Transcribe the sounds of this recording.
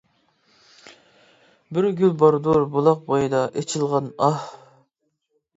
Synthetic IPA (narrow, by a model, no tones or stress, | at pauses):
bɪɾɡʲylbɑɾd̪uɾbolˠɑq̚bojɨd̪ɑʔet͡ʃʰilˠʁɑnɑh